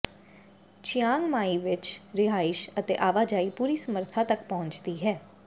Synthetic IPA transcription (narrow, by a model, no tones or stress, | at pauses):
t͡ʃɪjaːŋɡmaːiːʋɪt͡ʃɾɪɦaːɪʃət̪ḛːʔaːʋaːd͡ʒaːiːpuːɾiːsəməɾt̪ʰaːt̪ək̚pɔɦʊnt͡ʃd̪iːɦɛː